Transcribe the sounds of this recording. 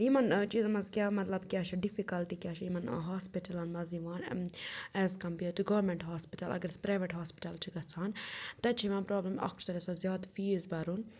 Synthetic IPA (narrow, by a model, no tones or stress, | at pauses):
ɦimɐnt͡ʃiːzmɐzkjaːmɐt̪lɐbkʲjaːt͡ʃʰɐɖifikɐlʈikjaːt͡ʃʰɐjimɐnɦaːspiʈɐlɐnmɐziʋaːn | ɛzkɐmpjuʈ̪uɡɐʋɾmeɳʈɦaːspiʈɐlɐ̰ɡɐɾspɾaːʋeʈɦaːspi̥ʈɐlt͡ʃʰiɡɐt͡sʰaːnt̪ɐt͡ʃʰiʋɐ̃ːnpɾoːblɐmɐ̰kt͡ʃʰt̪ɐɾesazjaːd̪fiːzbɐɾun